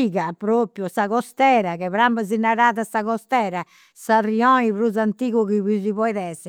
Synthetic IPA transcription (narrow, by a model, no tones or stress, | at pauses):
iːɣapɾopjusaɣɔst̪ɛːɾakɛβɾambazinːaɾaːðasaɣɔst̪ɛːɾa | sariɔiβɾuzant̪iːɣuɣiβuziβɔjðɛsɛ